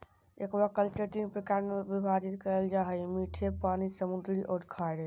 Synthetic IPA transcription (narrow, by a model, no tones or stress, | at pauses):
ekbakəlt͡ʃəɾt̪inpɾəkaɾnebibʱad͡ʒit̪kəɾəld͡ʒaɦəjmiʈʰepanisəmud̪ɾiʔɔːɾkʰaɽe